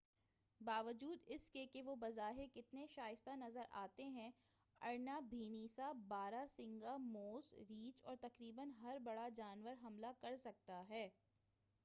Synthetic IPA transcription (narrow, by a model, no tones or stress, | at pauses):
baːʋəd͡ʒuːd̪ɪskekeʋobɐzaːɦɪkɪt̪neʃaːɪst̪anɐzəɾʔa̰ːt̪eɦɛ̃ | ɐ̰ɾnabʱiːniːsabaːɾasɪ̃ŋɡamoːzɾiːt͡ʃɔ̰ːɾt̪ɐqɾiːbənɦɐɾbɐɽad͡ʒaːnʋəɾɦɐmlakɐɾsɐk̚t̪aɦɛː